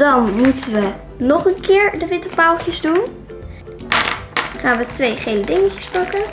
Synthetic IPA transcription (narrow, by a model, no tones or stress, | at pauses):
dɑnmutəʋə | nɔχənkɪːɹdəʋɪtəpalˠtəzdun | χaːnʋətʋejχejlədɪŋəcəspɑkən